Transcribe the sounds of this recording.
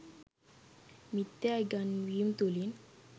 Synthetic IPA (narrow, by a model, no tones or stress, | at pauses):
mit̪ːeaɡanʋiːmt̪olin